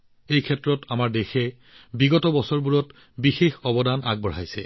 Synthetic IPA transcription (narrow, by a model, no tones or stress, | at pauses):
ejkʰɛtɹɔtamaɹdexɛ | biɡɔtɔbɔsɔɹbuɹɔt | bixexɔbɔdana̰ɡ̚bɔɹ̤ajsɛ̰